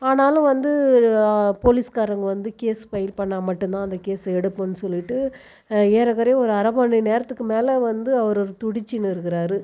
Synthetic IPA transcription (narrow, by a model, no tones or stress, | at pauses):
aːnaːlʊ̃ʋɐnd̪ɯ | poːlɪskaːɾɐŋɡɐʋɐnd̪ɯkeːspɐjɪlpɐɳːaːmɐʈːɯnt̪ãːɐnd̪ɐkeːsɐɛɽɯpːɐnːɯsɔlːɪʈːɯ | eːɾɐɣɐɾɐj̃ɔɾɯɐɾɐbaːɳineːɾɐt̪ːɯkːɯmeːlɐʋɐnd̪ɯɐʋɐɾɔɾɯt̪ʊɽɪt͡ʃːɪnːɯɪɾɯkːɪɾaːɾɯ